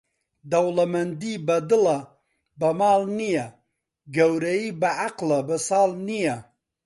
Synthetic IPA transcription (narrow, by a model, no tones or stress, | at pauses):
d̪ɐwlɐmɐnd̪iːbɐd̪ɨlɐ | bɐmaːlnijɐ | ɡɐwɾɐjiːbɐʕaqlɐbɨsɑːlnijɐ